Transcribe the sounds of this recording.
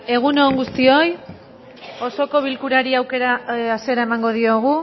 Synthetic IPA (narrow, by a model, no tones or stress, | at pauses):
e̞ɣ̞uno̞ːŋɡust̪io̞j | o̞so̞ko̞β̞ilkuɾaɾiawke̞ɾaːse̞ɾaemaŋɡo̞ð̞io̞ɣ̞u